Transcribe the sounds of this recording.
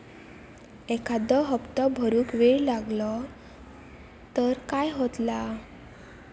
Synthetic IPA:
ɛkʰad̪əɦəpt̪ɔbʱəɾuːkʋeɭlaɡlɔ | t̪əɾkajɦot̪la

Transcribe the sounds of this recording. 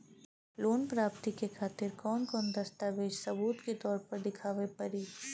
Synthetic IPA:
loːnpɾaːpt̪ikekʰaːt̪ɪɾkɔːnkɔːnd̪ɐst̪aːʋeːd͡ʒsɐbuːt̪ket̪ɔːɾpɐɾd̪ɪkʰaːʋepɐɾiː

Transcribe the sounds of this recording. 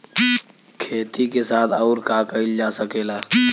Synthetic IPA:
kʰeːt̪ʰikesaːt̪ʰɔːʊɾkaːkəɪld͡ʒaːsəkeːlaː

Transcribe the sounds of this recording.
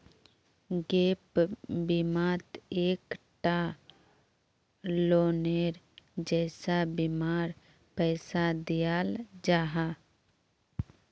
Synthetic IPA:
ɡeːpbimaːt̪eːkʈa | loːneɾd͡ʒɛːsabimaːɾ | pɛːsad̪ijaːld͡ʒaːɦa

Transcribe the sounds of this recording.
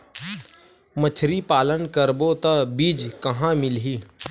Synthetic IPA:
mət͡ʃʰɾipaːlənkəɾbot̪ɐbiːd͡ʒkɐɦãmɪlɦiː

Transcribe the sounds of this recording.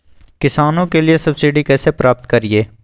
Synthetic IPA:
kɪsaːnõkelijesɐbsiːɖikɛːsepɾaːpt̪kɐɾieː

